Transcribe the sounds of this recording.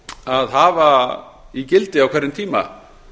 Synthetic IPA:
aðɦaːva | icɪlt̪ɪawkʰvɛɾɪnt̪ʰiːma̰

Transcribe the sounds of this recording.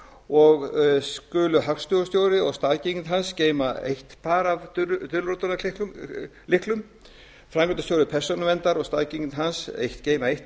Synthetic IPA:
ɔɣskʏːlʏɦakst̪jowɾst̪jowɾɪɔɣst̪aːðciɲnɦansceːjma̰ḛjht̪pʰaːɾavt̪ʏlɾot̪ʏnaɪ | lɪhklʏm | fɾaŋklɔt̪ast̪jowɾɪpʰɛrsɔnʏvɛnt̪aɾɔɣst̪aðciɲnɦansḛjht̪ceːjmaejht̪

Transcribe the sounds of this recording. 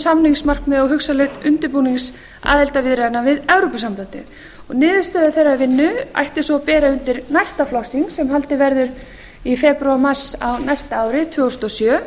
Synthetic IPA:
samniŋsmar̥kmɛðaɦʏksalɛht̪ʏnt̪ɪɾpuːniŋs | a̰ːðɛlt̪avɪðɾɛðɪnːavɪðɛwɾɔpasamplant̪ɪð | ɔɣnɪːðɪst̪œːðʏθɛrːavɪnːʏa̰jht̪ɪsɔpɛːɾaʏnt̪ɪɾnaj̥st̪aflɔhsiŋksɛmɦalt̪ɪvɛɾðʏɾ | ifɛpɾʏaɾmar̥sawnajst̪aaːwɾɪt̪ʰvœːɔst̪ɔsjœː

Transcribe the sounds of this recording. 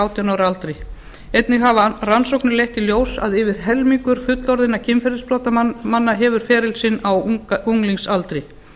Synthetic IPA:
awt̪ʰianaːwɾalt̪ɾɪ | ejt̪nɪɣɦavaransowknʏlejht̪iljoːwsa̰ðɪvɪð̥ɦɛlmiŋkʏɾ̥fʏt̪lɔɾðɪnacʰɪmfɛɾɪspɾɔːt̪amanːaɦɛːvʏɾ̥fɛːɾɪlsɪnːawuŋliŋsalt̪ɾɪ

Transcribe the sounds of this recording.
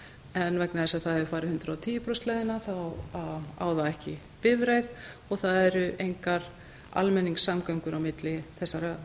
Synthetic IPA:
ɛnvɛknaθɛsaθaðɛvʏfaːjɾɪhʏnt̪ɾaawt̪ʰiːjʏpɾœst̪lajðɪnaθawa̰ːwðaɛhcɪ | pɪvɾejð | ɔɣθaðɛɾʏʔejŋkaɾ̥ | a̰lmɛnːiŋksamkœɥŋkʏɾawmɪt̪lɪθɛsːaɾa

